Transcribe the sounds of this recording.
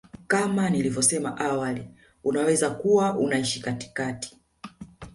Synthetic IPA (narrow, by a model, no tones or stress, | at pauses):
kamanilivɔsɛmaʔawali | unawɛzakuwaʔunaiʃikati̥kati̥